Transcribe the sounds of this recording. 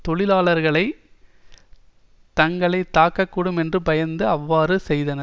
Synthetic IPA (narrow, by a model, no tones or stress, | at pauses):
t̪ɔɭɪlaːɭɐɾɣɐɭɐɪ | t̪ɐŋɡɐɭɐɪt̪ːaːkːɐkːuːɽɯmɛndrɯpɐjɐnd̪ɯɐʋːaːɾɯsɛjðɐnɐ